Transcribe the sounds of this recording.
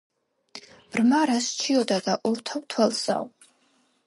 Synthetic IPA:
b̥rmaɾast͡ʃʰiɔd̪ad̪aʔɔɾt̪ʰawt̪ʰwalsa̰w

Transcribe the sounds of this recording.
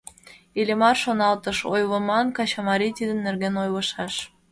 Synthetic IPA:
ilʲemɑrʃonɑlt̪əʃojβə̆mɑnkɑt͡ɕɑmɑɾit̪id̪ənːerɣenojlə̆ʃɑʃ

